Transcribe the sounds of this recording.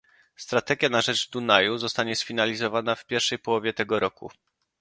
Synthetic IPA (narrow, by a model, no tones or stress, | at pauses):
st̪ɾat̪ɛɡʲjanaʐɛd͡ʐd̪unajuzɔst̪aɲɛsfʲinalʲizɔvanafpʲjɛɾfʂɛjpɔwɔvʲjɛt̪ɛɡɔɾɔkṵ